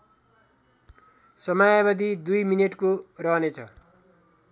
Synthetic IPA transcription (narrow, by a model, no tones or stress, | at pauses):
sʌmajabad̪id̪ujmineʈkorʌɦnet͡sʰʌ